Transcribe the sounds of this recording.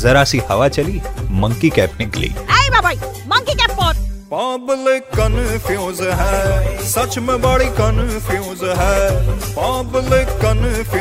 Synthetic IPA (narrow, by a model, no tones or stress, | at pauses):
zəɾasihəʋat͡ʃəlimə̃ŋkikɛpniklḛːeibabai | mɐ̃ŋkikɛpːəɾpablekːənfʰiõzɦɛsɐt͡ʃmɛ̃baːɽikənfʰiõzɦɛpablekːənf